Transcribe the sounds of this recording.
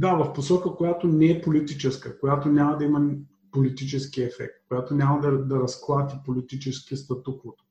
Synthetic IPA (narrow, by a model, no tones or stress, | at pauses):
d̪avɐfposɔkəkojat̪onɛɛpolit̪it͡ʃɛskəkojat̪onʲamɐd̪ɐimɐ | polit̪it͡ʃɛskiɛfɛ̰k̚t̪̚kojat̪onʲamɐd̪ɐd̪ɐɾɐsklˠat̪ipolit̪it͡ʃɛskiəst̪ɐt̪ukot̪